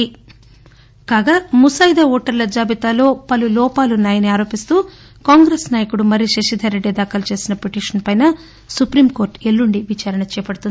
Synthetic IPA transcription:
i | kaːɡaːmusajd̪ɐɔːʈɐɾlɐd͡ʒaːbit̪aːlo̞ːpɐlulɔːpaːlunaːjɐniaːɾo̞ːpist̪uː | kaːŋɡɾeːsnaːjɐkuɽumɐɾiʃeʂid̪ʱɐɾeɖːid̪aːkʰɐlɐt͡ʃe̞ːsinɐpeʈiːʂɐnpɐjnɐ | supɾiːmko̞ːɾʈelːuɳɖiʋit͡ʃaːɾɐɳɐt͡ʃɛːpɐɽut̪und̪i

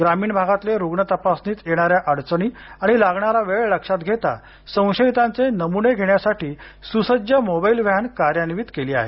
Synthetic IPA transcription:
ɡɾamiːɳbʱaɡat̪leɾuɡɳət̪əpasniːt͡s̪jeɽ̃aɾjaʔəɽt͡səɳiːaɽ̃ilaɡɳaɾaʋeɭləkʂat̪ɡʱet̪a̰ | sə̃w̃ɕəit̪ãnt͡senəmuneɡʱeɳjasaʈiː | susəd͡ʑjəmobailʋjankaɾjəniʋiːt̪keliːa̰ɦḛ

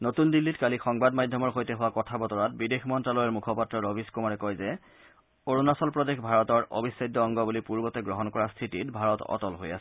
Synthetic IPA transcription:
notundilːitkalixɔŋbadmadʱjɔmɔɹxojtɛɦʊwakɔtʰabɔtɔɹat̚bidexmɔntɹalɔjɔɹmukʰɔpatɹɔɹobʱiskumaɹɛkɔjzɛ | oɹunasɔlpɹɔdexbʱaɹɔtɔɹʔo̰bʱisːajdːɔːŋɡɔbulipuɹbɔtɛɡɹɔɦɔnkɔɹastʰititbʱaɹɔtɔ̰tɔlɦoja̰sɛ̥

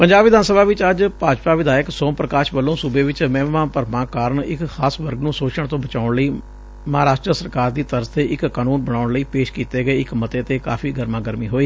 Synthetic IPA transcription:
pəɲd͡ʒaːbʋɪd̪ʱaːnsəbaːʋɪt͡ʃəd͡ʒpaːd͡ʒpaːʋɪd̪aːjəksõːmpɾəkaːʃʋəlːõːsʊbeːʋɪt͡ʃmɛ̃ːʋãːpəɾmãːkaːɾəɳɪkxʰaːsʋəɾɡnũːsoːt͡ʃəɽt̪õːbət͡ʃaːʊɳləiː | məɦaːɾaːʃʈɾəsəɾkaːɾd̪iːt̪əɾzt̪eːʔɪkkːaːnuːnbəɽaːʊɽləiːpeːʃkiːt̪eːɡəeːɪkmət̪eːət̪eːka̰ːpʰiːɡəɾmãːɡəɾmiːɦoːiː

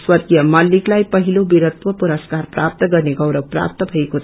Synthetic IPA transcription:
swʌt̪ijʌmaliklajpʌɦilobiɾət̪wəpuɾəskaɾpɾap̚t̪əɡʌɾneɡʌwɾəpɾa̰p̚t̪ʌbʱəeko

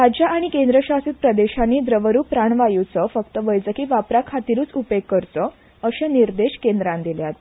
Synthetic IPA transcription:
ɾad͡ʑjaaɽ̃ikend̪ɾəɕasiːt̪̚pɾəd̪eɕanːiːd̪ɾəʋəɾuːpɾaɳʋajut͡səfəkt̪əʋəjd͡zəkiʋapɾakʰat̪iɾuːt͡supekːəɾt͡sə | əɕẽniɾd̪eɕkend̪ɾãnd̪iljat̪

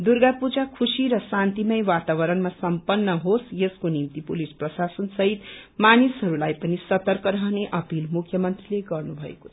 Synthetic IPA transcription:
d̪uɾɡapud͡zakʰusiɾʌsãnt̪imʌjwat̪aβʌɾʌnmasʌmpʌnːʌɦosjeskonimt̪ipulisprʌsasʌnsʌɦit̪manisɦʌɾulajpʌnisʌt̪ʌrkʌɾʌɦneʔʌpilmukʰjʌmʌnt̪rileɡʌrnubʱʌḛko̥t͡sʰʌ

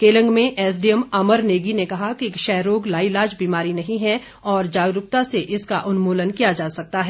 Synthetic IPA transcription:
keːlə̃ŋɡmẽʔɛːs̬ɖiɛmɐməɾneːɡinekɐɦakikʃɛɦɾoːɡlaːilaːd͡ʒbiːmaːɾinɐɦĩɦɛ | ɔːɾd͡ʒaːɡɾʊp̚t̪aseʔɪskaʔʊnmoːlənkijad͡ʒaːsɐk̚t̪aɦɛː

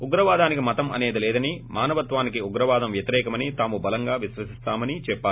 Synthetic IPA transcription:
uɡɾɐʋaːd̪aːnikimɐt̪ɐmɐ̰neːd̪ɐlɛːd̪ɐnimaːnɐʋɐt̪ʋaːnikiuɡɾɐʋaːd̪ɐmʋjɐt̪iɾɛːkɐmɐnit̪aːmubɐlɐŋɡaːʋiʃʋɐsist̪aːmɐnit͡ʃɛpːaː

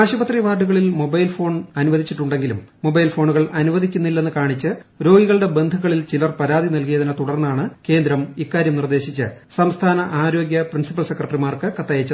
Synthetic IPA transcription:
aːɕubɐt̪riʋaːɖuɣɐɭilmo̞bɐjlfo̞ːɳɐnuʋɐd̪ʱit͡ɕːiʈːuɳɖe̞ŋɡilṵmːo̞bɐjlfo̞ːɳuɣɐɭɐnuʋɐd̪ʱikʲːunːilːenːɨkaːɳit͡ɕːɨɾo̞ːɡiɣɐɭɽe̞be̞nd̪ʱuɣɐɭilt͡ɕilɐrpɐɾaːd̪ʱinɐlkijɐðinɐt̪uɽɐrnːaːɳɨke̞ːnd̪ɾɐmikːaːɾjɐmnird̪e̞ːɕit͡ɕːɨsɐmst̪ʰaːnɐʔaːɾo̞ːɡjɐprinsipːɐlse̞krɐʈrimaːrkɨkɐt̪ːɐjet͡ɕːɐ

